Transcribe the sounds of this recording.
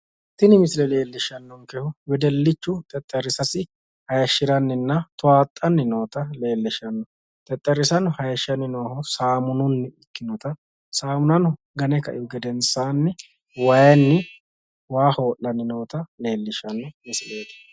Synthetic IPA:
t̪ːɪnɪmɪslɛle̞ːlːɪʃɐnːɔŋkɛhʊwɛd̪ɛlːɪt͡ʃːʊt̪ʼɛt̪ʼːɛɾɪsɐsɪ | hɐjɐʃːɪɾɐnːɪnːɐt̪ʊaːt̪ʼːɐnːɪno̞ːt̪ɐle̞ːlːɪʃɐnːɔ | t̪ʼɛt̪ʼːɛɾːɪsɐnhɐjɐʃɐnːɪnoːhɔsaːmʊnʊnːɪɪkːɪnɔt̪ɐ | saːmʊnɐn | ɡɐnɛkɐ̰ʔɪjɔɡɛd̪ɛnsaːnːɪ | wɐjɐnːɪ | waːho̞ːlːɐnːɪno̞ːt̪ɐle̞ːlːɪʃɐnːɔmɪsleːt̪ɐ̥

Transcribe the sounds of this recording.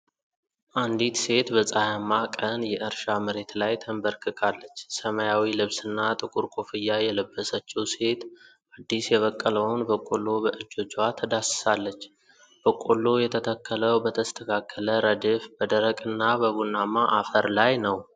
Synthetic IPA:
ʔand̪it̪se̞t̪bəsʼajamːakʼənjɛʔɨɾʃaməɾe̞t̪lajt̪ʰəmbəɾkʰɨkʰʼalːət͡ʃːsəməjawilɨβsɨnːat̪ʼɨkʼuɾkʼofɨjːajɛləbːəsət͡ʃːiwse̞t̪ | ad̪ːisjɛβəkʼːələwnbəkʼolːo̞bəʔɨd͡ʒːod͡ʒwat̪ʰəd̪assalːət͡ʃː | b̥əkʼolːo̞jɛt̪ʰət̪ʰəkːələwbət̪ʰəst̪ʰəkʰakʰːələɾəd̪efbəd̪əɾəkʼɨnːabəβunːamaʔafəɾlajnəw

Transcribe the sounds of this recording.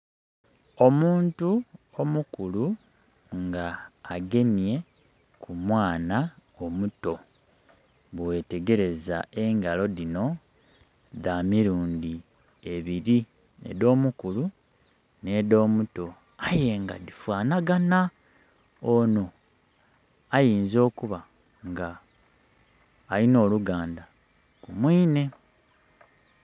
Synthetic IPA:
o̞muːntuo̞mukulu | ŋɡaːɡe̞mje̞ | kʰumwaːnao̞muto̞ | βwe̞ːte̞ɡe̞ɾe̞za̰e̞ŋɡalo̞ðino̞ | ðamiɾuːndi | e̞βiɾi | nḛðo̞ːmukulu | neðo̞ːmuto̞ | aje̞ŋɡa̰ðifwaːnaɡana | ono̞ | ajiːnzo̞ːkuβa | ŋɡa | lino̞ːluɡaːnda | kumwiːne̞

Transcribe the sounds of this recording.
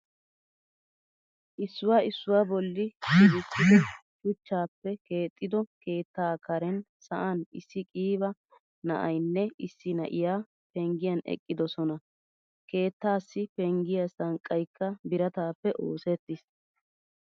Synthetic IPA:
ʔɪsːʊwaːɪsːʊwaːbɔlːɪɡɪtːɪd̪ɪ | kʊt͡ʃːaːpːɛke̞ːt̪ʼːɪd̪ɔke̞ːt̪ːaːkɐɾɛn | sɐʔɐnɪsːɪkʼiːbɐ | nɐʔɐjnːɛɪsːɪnɐ̰ʔɪjaː | pɛŋɡɪjɐnɛ̰kʼːɪd̪ɔsɔnɐ | ke̞ːt̪ːaːsːɪpɛŋɡɪjɐsɐŋkʼːɐjkːɐbɪɾɐt̪aːpːɛʔo̞ːsɛt̪ːɪs

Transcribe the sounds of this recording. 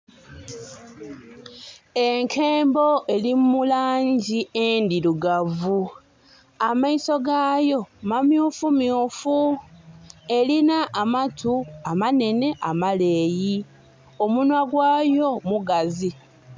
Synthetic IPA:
eŋkʰeːmbo̞ʔe̞limulaːɲɟiendiɾuɡavu | amaiso̞ɡaːjo̞mamjuːfumjufu | e̞linaʔːmatuamane̞ne̞ʔamale̞ːji | o̞munwaɡwaːjo̞muɡazi

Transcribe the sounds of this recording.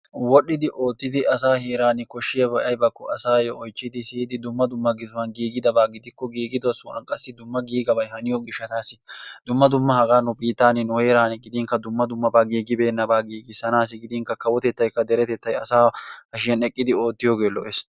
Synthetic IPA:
wɔɗːɪd̪ɪʔoːt̪ːɪd̪ɪʔɐsaːheːɾaːnɪkɔʃːɪjɐbɐjɐjbɐkːɔɐsaːjɔʔɔjt͡ʃːɪd̪ɪsɪhɪd̪ɪd̪ʊmːɐd̪ʊmːɐɡɪzʊwɐnɡiːɡɪd̪ɐbaːɡɪd̪ɪkːɔɡiːɡɪd̪ɔsʊɐ̰nkʼɐsːɪd̪ʊmːɐɡiːɡɐbɐjhɐnɪjɔɡɪʃːɐt̪aːsɪd̪̥ʊmːɐd̪ʊmːɐhɐɡaːnʊbiːt̪ːaːnɪnɔheːɾaːnɪɡɪd̪ɪŋkɐd̪ʊmːɐd̪ʊmːɐbaːɡiːɡɪbe̞ːnːɐbaːɡiːɡɪsɐnaːs̬ɪɡɪd̪ɪŋkɐkɐwɔt̪ɛt̪ːɐjkːɐd̪ɛɾɛt̪ɛt̪ːɐjɐsaːɐʃɪjɐnɛkʼːɪd̪ɪo̞ːt̪ːɪjoːɡe̞ːlɔ̰ʔes

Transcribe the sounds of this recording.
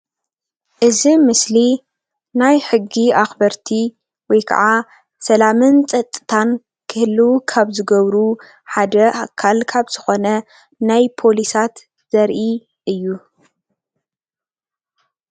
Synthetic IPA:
ʔɨzimɨsli | najħɨɡːiaxbɐɾt̪ʰi | wɔjkʰa̰ʕa | sɐlamɨnt͡sʼɐt̪ʼːɨt̪ʰan | kʰɨhɨlːuwukʰaβzɨɡɐβɾu | ħad̪ɐʔakʰːalkʰaβz̥ɨxo̞nɐ | najpʰo̞lisat̪ | z̥ɐɾʔi | ʔɨjːu

